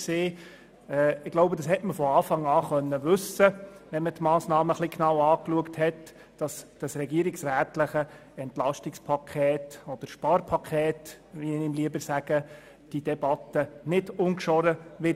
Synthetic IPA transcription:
seː | ɛɪɡ̥loʊbəd̥ɑshɛtməfɔɑːfɑŋɑːχœnːəʋɵsəʋɛnmətmɑːsnɑːməχliknɑwɑːkluəkthɛt | d̥ɑsd̥ɑsɾɛɡiəɾɪksræːtlɪχə | ɛntlɑʃtɪkspʰɑkʰɛːtɔd̥əɾʃpɑɾpʰɑkʰɛːt | ʋiɪmliəbəɾsæɡ̥ə | d̥id̥ɛbɑt̪ːənɪdʊnkʃɔɾəʋɪ

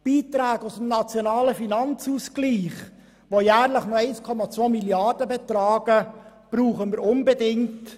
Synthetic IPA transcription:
b̥iːt̪ɾæːɡusm̩nɑt͡sjonɑːləfinɑnt͡suskliːχ | ʋojæːɾləχnɔɛɪskʰɔmɑt͡sʋoːmiljɑrd̥əbɛt̪ɾɑːɡ̥əb̥ɾuːχəməɾʊnbɛdɪŋt

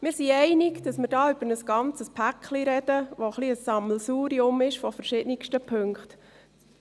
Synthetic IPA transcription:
mɪːɾsiɛɪnɪkd̥ɑsməɾdɑːʏb̥əɾnəsɡ̥ɑnt͡səspʰækχliɾɛd̥əʋoχliəsːɑml̩suːɾiʊmɪʃfɔfəɾʃɪdnɪkʃtəpʰøŋkχt

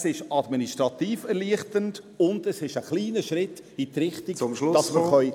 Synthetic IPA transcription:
sɪʃɑdminiʃtɾɑtiːfɛɾliəχtənd | ʊnd̥əsɪʃəχliːnəʃɾɪtː | it̪ɾɪχtiɡmdɑsməχœʏ

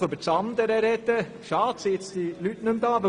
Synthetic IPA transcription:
øbəɾt͡sɑnd̪əɾəɾɛd̪ə | ʃɑːtsiɪt͡sd̥̪ilytnɵmd̪ɑːʋɪ

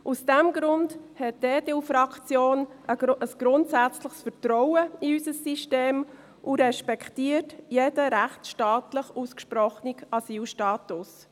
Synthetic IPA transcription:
ʔusd̥ɛmɡɾʊndhɛt̚deːdelfɾɑkt͡sjoːnəsɡ̥ɾʊntsæt͡sləχsfəɾt̪ɾɔwəiysəsːiʃteːm | ʔuɾɛʃpɛktiːətjed̥əɾæχtsʃtɑːtləχuskʃpɾɔχnikɑsiːlʃtɑːtʊs

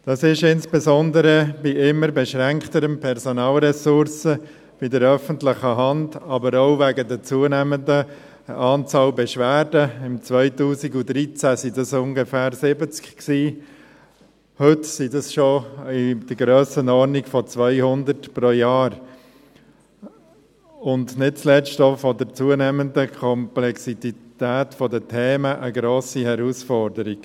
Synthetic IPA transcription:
d̥ɑsɪʃɪnsb̥ɛzɔndəɾəb̥iɪmːəɾbɛʃɾɛŋktəɾəmpʰɛɾsɔnɑːlɾɛsʊɾsə | b̥idəɾœfəntlɪχəɦɑndɑbəɾoʊvæɡədət͡suənɛməndə | ʔɑːnt͡sɑːlbɛʃʋæːdəɪmt͡svœɪtuːziɡud̪ɾit͡sæsidɑsʊŋɡəfæːɾsɪbət͡skksiː | hʏtsidɑsʃoɪd̥əɾɡɾøːsənɔɾnikfɔt͡sʋœɪhʊnd̪əɾtpɾojɑːɾ | ʊndnɪt̚t͡slɛt͡ʃtofɔdəɾt͡suənɛməndəkʰɔmplɛksitit̪æːtfɔdətʰɛːməʔəɡɾoːsihɛɾusfɔɾdəɾiɡ̥

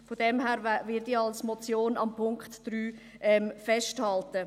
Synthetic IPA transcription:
fodɛmɦæːɾvɪdiɑlsmɔt͡sjoːnɑmpʰʊŋkχtd̥ɾyː | ɛmfɛʃthɑltə

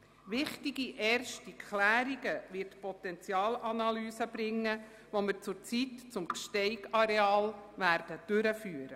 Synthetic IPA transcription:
ʋɪχtiɡiʔɛːrʃtikʰχlæːɾiɡəʋɪrtpɔt̪ɛnt͡sjɑːlɑnɑlyːsəb̥ɾɪŋːə | ʋoməɾt͡sʊɾt͡sitt͡sʊmkʃtɛɪɡɑɾeɑːlʋæːɾd̥əd̥ʉɾəfyːəɾə

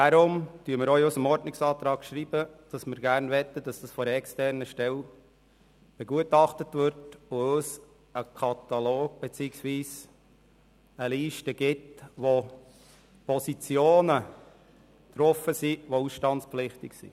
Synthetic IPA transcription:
d̥ɑɾʊmtyəmɪɾɔwʊsəmɔɾdnɪksɑːt̪ɾɑːkʃɾiːb̥əd̥ɑsmɪɾɡæɾnʋɛt̪ːəd̥ɑsd̥ɑsfɔɾɛkstɛrnəʃtɛl | b̥ɛɡuətɑχtətʋʏɾtʊøs | əkʰɑt̪ɑloːɡ̥̚b̥et͡siːəksʋiːs | əliːʃtəɡ̥ɪtʋo | pʰɔsit͡sjoːnə | t̪ɾɔfːəsiʋousʃtɑntspflɪχtɪksḭ

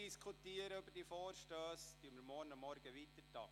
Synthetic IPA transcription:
iskʰut̪iəɾəybərdifoːɾʃtøːst̪yəməɾmɔːɾnɑmːɔɾɡ̥əʋit̪ətɑ̰ː

